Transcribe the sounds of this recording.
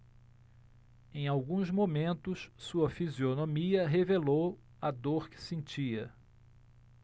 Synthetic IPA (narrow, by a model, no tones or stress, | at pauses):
ẽj̃awɡũzmõmẽnt̪ʊssuɐfizionõmiɐɦevelow | ɐd̪oɾkɪ̥sẽnt͡ʃiɐ